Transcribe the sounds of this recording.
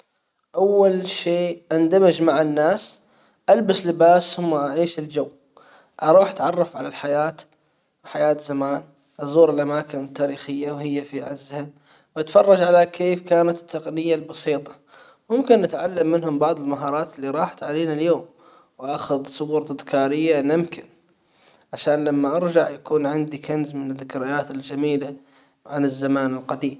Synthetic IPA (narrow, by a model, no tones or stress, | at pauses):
ʔawːalʃeːʔand̪amad͡ʒmaʕanːaːs | ʔalbaslɪbaːshʊmːaʔaʕiːʃɪld͡ʒawː | ʔɑɾˤuːħat̪ʕɑrˤːɑfʕalalħajaːt̪ | wħajaːt̪zamaːn | ʔɑzˤuːɾɪlʔamaːkɪnɪt̪ːaːɾiːxɪjːawhɪjːafiʕazːha | wʔat̪fɑrˤːɑd͡ʒʕalakʰeːfkaːnat̪t̪ːɑqnɪjːalbɑsiːt̪ˤɑ̥ | mʊmkɪnːɪt̪ʕalːamːɪnɦʊmbɑʕðˤɪlmaɦɑːɾˤɑːt̪ɪlːiɾˤɑːħt̪ʕaliːnaljoːm | wʔaxʊðsˤʊbɾˤɪðkaːɾɪjːanɪmkɪn | ʕaʃaːnlamːaʔɑɾd͡ʒaʕjakuːnʕɪnd̪ikanzmɪnɪðːɪkɾɪjaːt̪ɪld͡ʒamiːla | ʕanɪzːamaːnɪlqad̪iːm